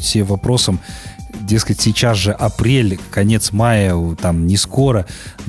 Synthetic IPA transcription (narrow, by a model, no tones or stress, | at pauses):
sʲevɐpɾo̞səmdʲe̞skətʲsʲɪt͡ɕasʐɨʔɐpɾʲelʲkɐnʲe̞t̪smajət̪amnʲɪskoɾə